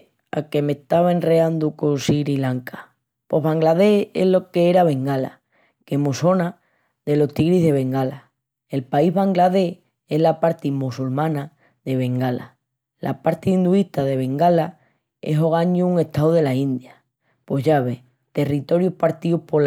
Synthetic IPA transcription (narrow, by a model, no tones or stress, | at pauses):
a̰keme̞ht̪aβaenreand̪ukonsiɾilaŋkḁ | po̞ɦβaŋɡlaðeheɦlo̞keeɾaβe̞ŋɡala̰ | ke̞moso̞na | ðe̞lo̞ht̪iɣɾiɦðe̞β̞e̞ŋɡala | e̞lpaizβaŋɡlaðe̞ | e̞ɦlapaɾt̪imusulmãna | ðe̞β̞e̞ŋɡala̰ | lʔa̰paɾt̪iːnd̪uiht̪aðe̞β̞e̞ŋɡala | e̞ɦo̞ɣ̞aɲuuŋe̞ht̪awðe̞laind̪ja | po̞ɦʝaβe̞ | t̪e̞rit̪o̞ɾjuhpaɾt̪iuhpo̞